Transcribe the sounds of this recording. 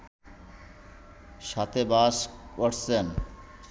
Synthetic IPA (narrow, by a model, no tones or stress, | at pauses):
ʃat̪ebaːskoʈʰsen